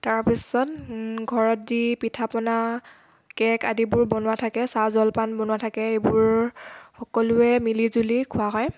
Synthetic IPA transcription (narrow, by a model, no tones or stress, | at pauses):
taɹpisɔtɡʱɔɹɔtzipitʰapɔna | kɛkadibʊɹbɔnʊwatʰakɛsazɔlpanbɔnʊwatʰakɛebʊɹxɔkɔlʊɛmilizulikʰʊaɦɔj